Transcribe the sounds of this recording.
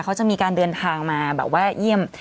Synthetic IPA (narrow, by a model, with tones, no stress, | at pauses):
kʰa˦˥wt͡ɕa˨˩ʔmiː˧kaː˧ndɤː˧nt̪ʰaː˧ŋmaː˧bɛ̰ː˨˩p̚waː˥˩ji˥˩əm